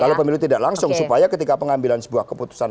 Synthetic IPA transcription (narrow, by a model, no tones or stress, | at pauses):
lalopəmilut̪idaʔlaŋsʊŋsupajakət̪ikapəŋambilansə̥buahkəput̪u̥san